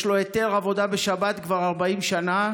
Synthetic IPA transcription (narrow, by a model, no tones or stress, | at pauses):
ʃloet̪eʁavo̞d̪abeʃabat̪kvaʁaʁbaimʃana